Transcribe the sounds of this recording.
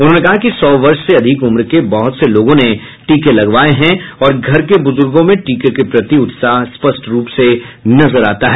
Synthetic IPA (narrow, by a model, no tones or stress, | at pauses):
ʊnɦõnekɐɦakisɔːʋɐɾʃseɐd̪ʱɪkʊmɾkebɔɦʊt̪seloːɡõne | ʈiːkelɐɡʋaːeɦɛ̃ɔːɾɡʱɐɾkebʊzʊɾɡõmẽʈiːkekepɾɐt̪iʊt̪saːɦspɐsʈɾuːpsenɐzəɾaːt̪aɦɛː